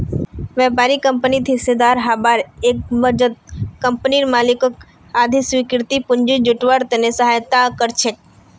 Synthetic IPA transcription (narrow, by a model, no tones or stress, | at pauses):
ʋjaːpaːɾikə̃mpənit̪ʰised̪aːɾɦaːbaːɾeːk̚bəd͡ʒət̪̚kəmpniɾmaːlɪkək | aːd̪ʱisʋikɾt̪ipʊɲd͡ʒid͡ʒʊʈʋaɾt̪enesəɦaːjt̪akəɾt͡ʃʰe